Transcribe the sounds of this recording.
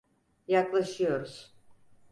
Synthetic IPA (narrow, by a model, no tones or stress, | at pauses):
jaklˠaʃɯjo̞ɾuz̥